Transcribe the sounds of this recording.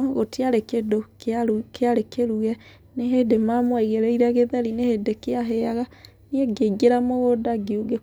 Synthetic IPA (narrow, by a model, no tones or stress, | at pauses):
ɣotiaɾekedokkeaɾekeɾuɛ | neɦedemamwaiɣeɾeiɾaɣeðɛɾinehedekeaɦɛaɣa | nieɡeɡeɾamoɣodaɡeuɡe